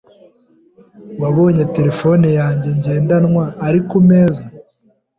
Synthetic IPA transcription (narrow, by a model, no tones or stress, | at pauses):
waβo̞ːɲete̞ɾefo̞nijaːɲɟe̞ɲɟe̞ːndanŋwaːɾikumeːza